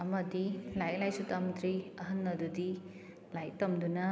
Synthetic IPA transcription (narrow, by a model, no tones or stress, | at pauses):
ɐmɐd̪ilajlajsut̪amt̪ɾiɐɦɐnːɐd̪ud̪i | lajt̪ɐmd̪unɐ